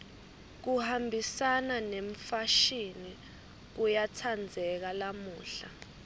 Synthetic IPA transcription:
k̬uhambʱisananeɱfaʃini | k̬ujatʰand͡zʱɛk̬alamuːɬa

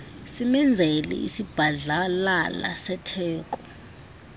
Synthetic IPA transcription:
simɛnd͡zʱelɛ̰ḭsib̥ʱaɮalala̰sɛtʰɛːk̬ɔ

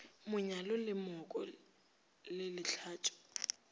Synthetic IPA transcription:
mʊɲalɔlɪmɔkʼɔ̰ | lɪlɪɬʰaːtʼʊ̥

